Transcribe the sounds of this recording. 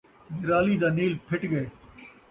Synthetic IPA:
mɪɾaːliːd̪aːniːlpʰɪʈɡɐeː

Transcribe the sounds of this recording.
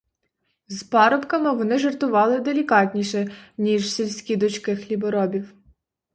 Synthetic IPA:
zpɑɾɔpkɐmɪʋɔnɪʒert̪ʊʋɑlˠɪd̪elʲikɑtʲnʲiʃɛnʲiʒsʲilʲsʲkʲid̪ɔt͡ʃkɪxlʲibɔɾɔbʲiw

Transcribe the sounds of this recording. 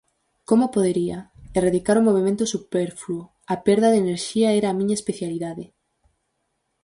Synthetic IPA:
komopoðeɾiɐeraðikaɾʊmoβemẽnt̪ʊsupeɾfluo | apeɾðɐðeneɾʃiaɛɾaːmĩɲaespeθjaliðaðe

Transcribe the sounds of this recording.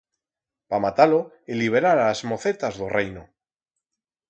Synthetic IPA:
pamat̪alo | iliβ̞eɾaɾazmo̞θe̞t̪azðorejno

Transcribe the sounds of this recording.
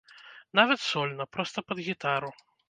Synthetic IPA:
navɐt̪sɔlʲnɐpɾɔst̪ɐpɐd̪ɣʲit̪aɾu

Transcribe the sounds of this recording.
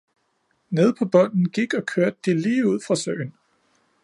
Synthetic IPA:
ne̝ð̞ˠpʰɒ̽b̥ɒ̽n̰n̩ɡ̥iɡ̥ɒ̽kʰøɐd̥̚ːiliːuð̞̰ˠfʁɑ̈sœ̰ːɪn

